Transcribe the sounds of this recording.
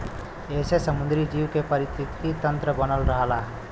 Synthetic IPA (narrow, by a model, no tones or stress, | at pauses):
esesʌmund̪ɾid͡ʒiwkepʌɾit̪ikt̪it̪ʌnt̪ɾʌbʌnʌlɾʌɦʌla